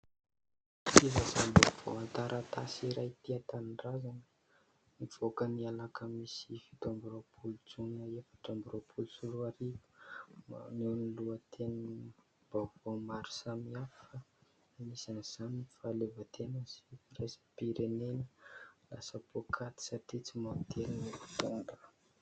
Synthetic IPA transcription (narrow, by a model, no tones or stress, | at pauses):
izazambukvo̰ant̪aɾʔat̪asiɾajt̪iat̪anirazanə | niv̥okənialakəmisifi̥t̪ambuɾopʰulut͡sunəefḁʈ͡ʂambuɾapʰulusuɾuaɾivə̥ | newniluət̪ʰen | b̥avawmaɾi̥samiafa | misanz̥anifalevat̪ʰenəsi̥pɾesi̥piɾenenəla̰səpokʰat̪i̥sat̪it͡simat̪ʰelinifi̥t̪unɖ͡ʐḁ